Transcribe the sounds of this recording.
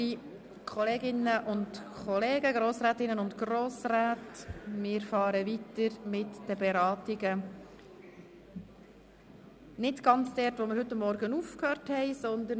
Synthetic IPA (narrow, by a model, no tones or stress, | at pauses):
i | kʰɔleːɡɪnəʔʊntkʰɔleːɡəɡɾoːsɾæːt̪ɪnːənʊntɡ̥roːsɾaːtmɪːɾfɑːɾəʋitəɾmɪtd̥əbɛɾɑːt̪ɪɡə | nɪtɡ̥ɑnt͡sd̥ɛɾtʋomɪɾhɵt̪ːɑmːɔɾɡənuːfkhøːɾthɛɪsɔnd̪ə